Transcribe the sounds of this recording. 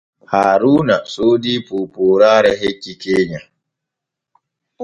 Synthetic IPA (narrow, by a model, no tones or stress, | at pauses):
haːɾuːnasoːdipoːpoːɾaːɾɛɦekːikeːɲa